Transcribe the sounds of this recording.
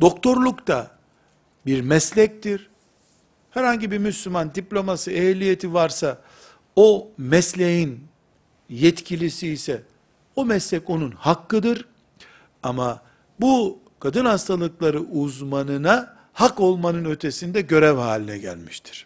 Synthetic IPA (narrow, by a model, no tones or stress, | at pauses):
d̪̥o̞kt̪ʰo̞ɾlˠukt̪ʰa | biɾmɛslʲɛc̚t̪iɾ̥ | hɛɾhaɲɟibiɾmyslʲymand̪iplʲo̞masɯelʲijet̪ʰivaɾsa | o̞mɛslʲejin | jɛt̪cʰilʲisiːsɛ | o̞mɛslʲɛco̞nunhakːɯd̪ɯɾ | ama | bu | kʰad̪ɯnhast̪ʰalˠɯklˠaɾɯʔuzmanɯna | hako̞lˠmanɯnø̞t̪ʰe̞sind̪ɛɟø̞ɾɛvha̰ːlʲinɛɟæ̰lʲmi̥ʃt̪ʰi̥ɾ̥